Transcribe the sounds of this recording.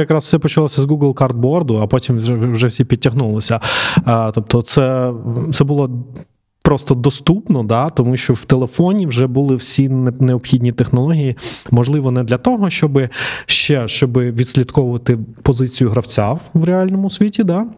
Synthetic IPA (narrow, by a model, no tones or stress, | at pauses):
jɐkɾɑswsɛpɔt͡ʃɐlˠɔsʲɐzɡuɡlˠkard̪̚bɔrd̪ʊɐpɔtʲimɛɛwʒɛwsʲipʲid̚ʲtʲːɐɦnulˠɪsʲɐ | t̪ɔp̚t̪ɔt̪sɛt̪ɛbʊlˠɔ | pɾɔst̪ɔd̪ɔst̪upnɔd̪ɑt̪ɔmuʃt͡ʃɔw̥t̪elˠefɔnʲiwʒɛbulˠɪwsʲinneɔpxʲidʲnʲit̪exnɔlˠɔɦʲijimɔʒlˠɪʋɔnɛd̪lʲɐt̪ɔɦɔʃt͡ʃɔbɪʃt͡ʃɛʃt͡ʃɔbɪʋʲid̪ʲsʲlʲit̪kɔʋʊʋɐt̪ɪpɔzɪt͡sʲijʊɦɾɐwt͡sʲawʋɾʲealʲnɔmʊsʲʋʲitʲid̪ɑ